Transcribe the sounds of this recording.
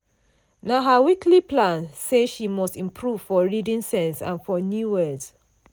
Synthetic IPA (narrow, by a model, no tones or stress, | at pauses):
naɦawikliplãnseʃimɔstĩmpʰɹuv̥fɔɹidĩnsɛ̃nsã̰nfɔnjuwɜds